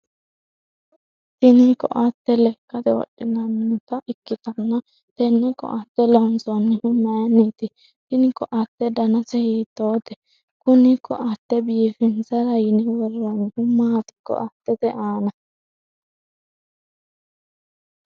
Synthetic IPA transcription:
tɪnɪkɔ̰ʔat̪ːɛlɛkːɐt̪ɛwɔ̰ɗːɪnɐnːʊt̪ɐʔɪkːɪt̪ɐnːɐ | t̪ɛnːɛkɔ̰ʔat̪ːɛlɐhʊnt͡sonːɛhʊmːɐjɐnːit̪ɪ | tɪnɪkɔʔɐt̪ːɛd̪ɐnɐsɛhiːt̪ːoːt̪ɛ | kʊnɪkʰːɔ̰ʔɐt̪ːɛbiːfɛnt͡sɐɾɐjnɛwɔrːɐnːɛhʊmːaːt̪ɪ̥kːɔ̰ʔɐt̪ːɛt̪ɛʔaːnɐ

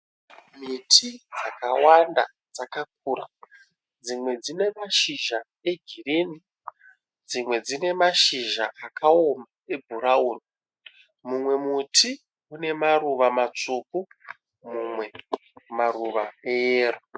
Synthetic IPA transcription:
mitʰid͡zakawanda̰ | d͡zakak̚uːra̰ | d͡zimwe̞d͡zine̞maʃiʒa | e̞ɡʱireni | d͡zimwe̞d͡zine̞maʃiʒaʔakʰao̞mae̞bʱuɾauːni | mumwe̞mutʰi | une̞maruʋamat͡suku | mumwe̞maruʋaeeːro

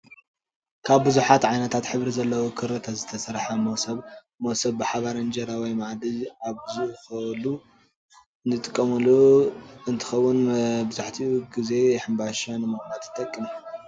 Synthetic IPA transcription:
kʰaβbɨzuħat̪ʕajnɐt̪ʰat̪ħɨβɾizɐlːɐwokʰɨɾɐt̪ʰazɨt̪ʰɐsɐɾħɐmɐsɐβ | mowsɐbbɨħaβaɾɐnd͡ʒɐɾawɔjmaʕd̪iaβbɨzuʔxɐlu | ɨnt̪ʰɨt̪ʼɨkʼːɐmɐlːoɨnt̪ʰɨ̥xɐwːʊnbɨzaħt̪ʰiɡize̞ħɨmbaʃanɨmɨxnat̪ʰɨ̥t̪ʼɐkʼːimu

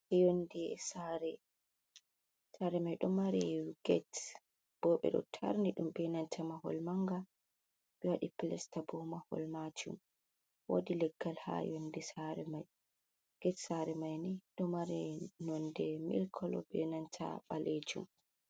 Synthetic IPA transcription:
ʔɛjondɛsaɾɛ | saɾɛmajɗɔmaɾɛɡ̥ɛt | b̥ɔɓɛ̰ɗɔ̰tʰa̰ɾniɗumbɛnantʰamahɔ̰lmaŋɡa | ɓɛwaɗiplɛstabɔmahɔ̰lmad͡ʒṵm | wo̰dilɛɡːalha̰jondisaɾɛmaj | ɡ̥ɛtsaɾɛmajniɗɔmaɾɛnɔndɛmḭlkʰɔlɔ̰bɛnantʰa̰ɓaled͡ʒṵm

